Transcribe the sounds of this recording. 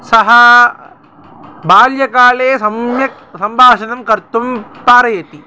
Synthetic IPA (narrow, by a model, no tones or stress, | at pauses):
sɐɦɐ | baːljɐkaːleːsɐmjɐ | sɐmbʱaːʂɐnɐmkɐɾt̪umpaːɾɐjɐt̪i